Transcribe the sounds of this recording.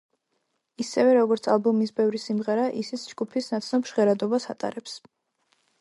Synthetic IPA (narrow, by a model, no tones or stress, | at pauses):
isɛvɛɾɔɡɔɾt̪sʰalˠbɔmisbɛvɾisimʁɛɾaʔisit̪sʰd͡ʒɡupʰisnat̪sʰnɔpʃʁɛɾad̪ɔbasat̪ʼa̰ɾɛps